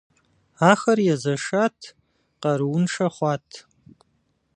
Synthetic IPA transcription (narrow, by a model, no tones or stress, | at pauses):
aχɐrjazaʂatʰ | qaɾwnʂaχʷatʰ